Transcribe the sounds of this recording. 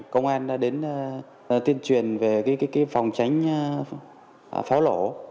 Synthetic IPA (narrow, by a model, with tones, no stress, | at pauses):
kə˧wŋ͡mʔaː˧nɗaː˨˦ɗe˨˦nː˧˩ | t̪i˧ənt͡ɕwi˨˩ənve˨˩kaː˨˦kaː˨˦jkaː˨˦jfa˨˩wŋ͡mt͡ɕa˨˦jŋ̟˧˩ | fa˨˦wlo˧˩